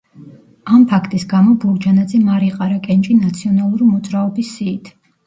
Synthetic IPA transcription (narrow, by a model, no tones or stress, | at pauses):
ampʰakʰt̪ʼisɡamɔbuɾd͡ʒanad̪zɛmaɾiqʼaɾakʼɛnt͡ʃʼinat̪sʰiɔnalˠuɾimɔd̪zʼɾaɔbisːiːt̪ʰ